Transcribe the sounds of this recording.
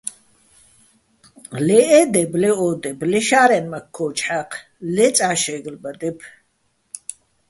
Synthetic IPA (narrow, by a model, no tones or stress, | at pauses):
lɛʔɛd̪ɛblɛɔːd̪ɛblɛʃaːɾɛnmakʰːɔːt͡ʃħaqʰ | lɛt͡sʼaːʃɛɡlbad̪ɛpʰ